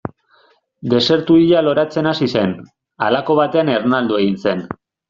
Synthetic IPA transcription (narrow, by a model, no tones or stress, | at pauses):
d̪e̞se̞ɾt̪uiʎalo̞ɾat͡se̞nasise̞n | alako̞β̞at̪e̞anernald̪ue̞ɣinse̞n